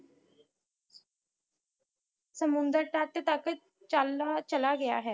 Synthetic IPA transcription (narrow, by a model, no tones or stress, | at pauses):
səmʊnd̪əɾʈəʈt̪ək | t͡ʃalːaːt͡ʃəlaːɡɪja̰ːɦɛː